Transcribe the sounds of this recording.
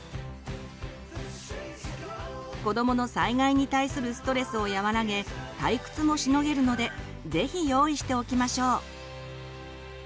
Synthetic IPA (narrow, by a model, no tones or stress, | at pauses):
ko̞d̪o̞mo̞no̞saiɡaiɲ̟it̪aisɨɾɯ̟sɨ̥t̪o̞ɾe̞sɨo̞jaβaɾaɡe̞t̪aikɯ̟̥t͡sɨmo̞ɕino̞ɡe̞ɾɯ̟no̞d̪e̞ | ze̞çijo̞ːiɕi̥t̪e̞o̞kʲimaɕo̞ː